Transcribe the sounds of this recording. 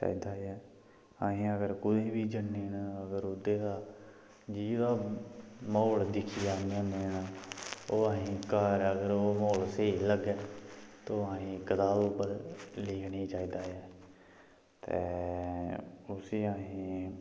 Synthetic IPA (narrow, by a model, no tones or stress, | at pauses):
t͡ʃa̰ːiːd̪aːɛː | aːɦĩːəɡəɾkʊd̪eːbiːd͡ʒənːeːnaəɡəɾʊd̪eːd̪aː | d͡ʒiːd̪aː | mɔːld̪ɪkʰijaːnəneːnaoːãːɦĩːkaɾəɡəɾoːmoːlseːləɡɛːt̪oːãːɦĩːkət̪aːloːpəlleːkʰniːt͡ʃaːiːd̪aːɛː | t̪ḛː | ʊsiːaːɦĩː